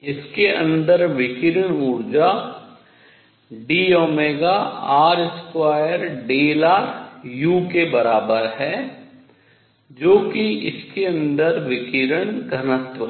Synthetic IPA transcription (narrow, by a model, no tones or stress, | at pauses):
ɪskeə̰̃nd̪əɾʋɪkɪɾəɽuːɾd͡ʒa | ɖiːoːmeːɡaaːɾɪskwaːjəɾɖeːlaːjuːkebɐɾaːbəɾɦɛː | d͡ʒoːkiɪ̰skeə̃nd̪əɾʋɪkɪɾəɳ̃kɐnət̪wə